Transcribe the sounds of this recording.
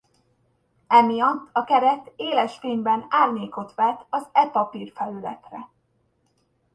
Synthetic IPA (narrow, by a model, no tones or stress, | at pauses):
ɛmijɒt̪ːɒkɛɾɛt̪eːlɛʃfeːɲbɛnaːrɲeːko̞t̪ʋɛt̪ɒzɛpɒpirfɛlylɛ̰t̪rɛ